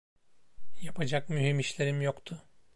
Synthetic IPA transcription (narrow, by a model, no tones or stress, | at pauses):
japʰad͡ʒakmyɦimiʃlʲe̞ɾimjokt̪ʰʊ